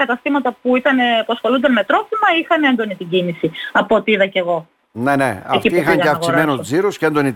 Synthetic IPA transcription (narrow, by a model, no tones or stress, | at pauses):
kɐt̪ɐst̪imɐt̪ɐpuit̪ɐnepuɐsxolund̪ɐnme̞t̪ɾo̞fimɐixɐne̞nd̪o̞nit̪iɟinisiɐpo̞t̪iiðɐce̞ɣo̞ | nenḛɐecfiiixɐɲɐeɐfɐkɣsiɾmenoziɾoscend̪oni